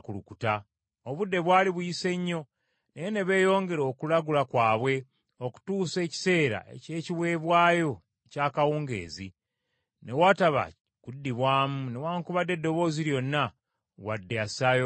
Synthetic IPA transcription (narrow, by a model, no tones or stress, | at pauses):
kulukuta | oβudːe̞βwaːliβujise̞ɲːo̞ | nejene̞βe̞ːjo̞ːŋɡe̞ɾo̞ːkulaɡulakwaːβwe̞ | oku̥tuːse̞ːci̥se̞ːɾa̰ḛce̞ːciβwe̞ːβwaːjo̞ | caːkawuːŋɡe̞̰ːzi | ne̞waːtaβa̰ | kudːiβwaːmune̞waːŋkuβade̞dːo̞βo̞ːziɾjo̞nːa | wadːe̞asajo